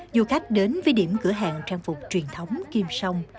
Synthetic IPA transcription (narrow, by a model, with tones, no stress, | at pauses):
zu˨˩xa˦˥jk̟̚ɗe˨˦nvə˨˦jɗi˧˩əmkɨ̰˧˩əɦa̰ː˧˨ŋt͡ɕaː˧ŋfʊ˨˩k͡p̚t͡ɕwi˨˩ənt̪ʰə˨˦wŋ͡mki˧msə˧wŋ͡m